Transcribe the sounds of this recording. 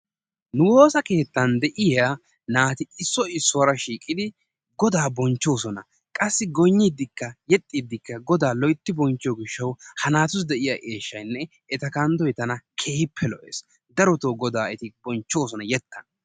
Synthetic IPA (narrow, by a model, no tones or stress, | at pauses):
nʊwo̞ːsɐke̞ːt̪ːɐnd̪ɛʔɪja | naːt̪ɪɪsːɔɪsːɔwɾɐʃiːkʼːɪd̪ɪ | ɡɔd̪aːbɔnt͡ʃːo̞ːsɔnɐ̰ | kʼɐsːɪɡɔɲːid̪ːɪkːɐjɛt̪ʼːiːd̪ːɪkːɐɡɔd̪aːlɔjt̪ːɪbɔnt͡ʃːɪjɔɡɪʃːɐwhɐnaːt̪ʊsd̪ɛʔɪjaːʔeːʃːɐjnːɛ | ɛt̪ɐkɐnd̪ɔjt̪ɐnɐkʰeːpʰːɛlɔ̰ʔḛːs | d̪ɐɾɔt̪oːɡɔd̪aːɛt̪ɪbɔnt͡ʃːo̞ːsɔnɐjɛt̪ʰːɐn